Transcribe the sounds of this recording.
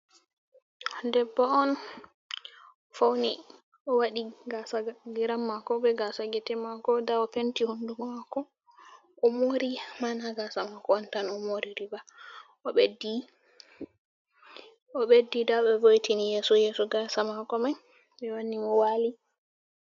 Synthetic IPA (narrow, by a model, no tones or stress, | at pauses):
dɛbːɔɔn | fawni | ʔɔwaɗiɡasaɡiɾamːakɔbɛɡasaɡɛtɛmakɔdaɔpentihundummakɔ | ʔɔmoɾimanaɡasamakɔɔntanɔmoɾiɾiba | ɔɓɛdi | ɔɓedːidaɓɛvojtinijɛsɔjɛsɔɡasamakɔmaj | ɓɛwanːimɔwaːli